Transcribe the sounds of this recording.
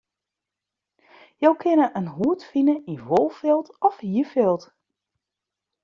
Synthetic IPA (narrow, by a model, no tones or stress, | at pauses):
jowkʰɪnəʔənɦuətfinəiʋolˠfɪlˠtɔfhiəfɪlˠt